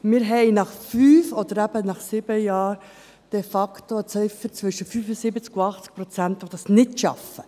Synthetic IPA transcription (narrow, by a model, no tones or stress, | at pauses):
mɪːɾɦɛɪnɑχfyːfɔd̥̪əɾæbənɑχsɪb̥əjɑːɾ | d̥ɛfɑktot͡sœʏfət͡sʋʏʃəfyːfʊsɪbət͡skuɑχt͡sk̚pɾɔt͡sæntʋod̥̪ɑsnɪtʃɑ̰fə̥